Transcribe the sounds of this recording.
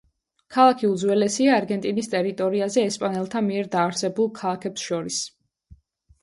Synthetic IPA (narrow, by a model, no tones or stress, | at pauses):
kʰalˠakʰiud̪zwɛlɛsiaːɾɡɛnt̪ʼinist̪ʼɛɾit̪ʼɔɾiazɛːspʼanɛlˠt̪ʰamiɛɾd̪aːɾsɛbulˠkʰalˠakʰɛpsʃɔɾis